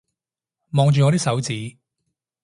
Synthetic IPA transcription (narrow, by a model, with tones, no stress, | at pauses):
mɔː˧ŋt͡ʃyː˨ŋɔː˨˧ɾiː˥sɐ˨˥wt͡siː˨˥